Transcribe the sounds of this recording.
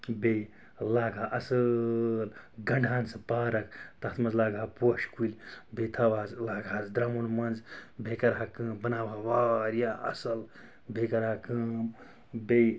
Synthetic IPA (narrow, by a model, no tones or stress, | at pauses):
bej | laːɡʱaːʔɐsəlɡɐɳɖʱaːnsɨpaːɾɐkt̪ɐt̪mɐnzlaːɡʱaːpoʃkulʲbejt̪ʰaʋaːzlaːɡʱaːzd̪ɾamunmɐnzbekɐɾakəːmbɐnaːʋaʋaɾjaɐ̰sɐl | bekɐɾakəːm | bej